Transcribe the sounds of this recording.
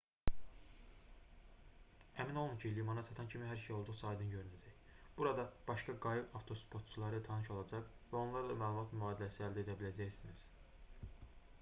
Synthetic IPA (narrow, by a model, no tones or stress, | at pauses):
æmino̞lˠuncʰilimɑnɑt̪ɑt̪ɑncʰimiɦæɾʃejo̞lˠd̪uʁsɑːd̪ɯnɟø̞ɾynæd͡ʒæj | b̥uɾɑd̪ɑb̥ɑʃkɑɡɑjɯbɑft̪ʰo̞spʰo̞t̪̚t͡ʃʰulˠɑɾɯt̪ʰɑnɯʃo̞lˠɑd͡ʒɑχvæo̞nlˠɑɾlˠɑmæːlˠumɑt̪myɑːd̪ilæsiæld̪æe̞d̪æbilæd͡ʒæjsiniz̥